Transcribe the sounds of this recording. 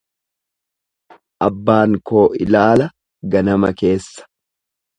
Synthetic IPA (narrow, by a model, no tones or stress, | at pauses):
ʔɐbːaːŋko̞ːʔɪ̰laːlɐ | ɡɐnɐmɐke̞ːsːɐ̥